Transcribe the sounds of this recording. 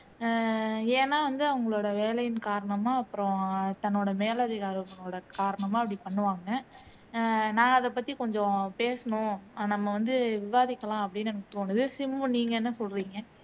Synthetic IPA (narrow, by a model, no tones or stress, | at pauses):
eːnːaːʋɐnd̪ɯɐʋɐŋɡɐɭoːɽɐʋeːlɐjɪnkaːɾɐɳɐmaːɐpːɯɾɔ̃t̪ɐnːoːɽɐmeːlɐðɪɣaːɾopːɐnoːɽɐkaːɾɐɳɐmaːɐpːɐɽipɐɳːɯʋaːŋɡɐ | nãːɐðɐp̬ːɐt̪ːikɔɲd͡ʒɔ̃peːsɐɳʊ̃nɐmːɐʋɐnd̪ɯʋɪʋaːðɪkːɐlãːɐpːɐɽɪnːɐnɐkːɯ̥t̪oːnɯðɯsɪmbɯniːŋɡɐɛnːɐsɔlɾiːŋɡɐ